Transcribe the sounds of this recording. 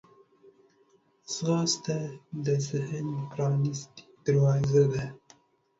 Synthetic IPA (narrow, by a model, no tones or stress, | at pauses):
sɣɑst̪ad̪əzɪhənpɾɑnist̪i̥d̪̥əɾwɑzad̪a